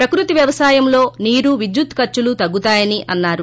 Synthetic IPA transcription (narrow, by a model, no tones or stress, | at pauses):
pɾɐkɾut̪iʋjɐʋɐsaːjɐmlo̞ːniːɾuʋid̪jut̪kɐɾt͡ʃːulut̪ɐɡːut̪aːjɐniʔʔɐnːaːɾu